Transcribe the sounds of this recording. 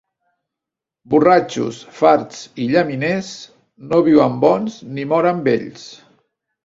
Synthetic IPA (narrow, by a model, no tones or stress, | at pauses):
burat͡ʃṵsfaɾt̪t͡siʎəmines | noβiwəmbɔnznimɔɾəmbeʎs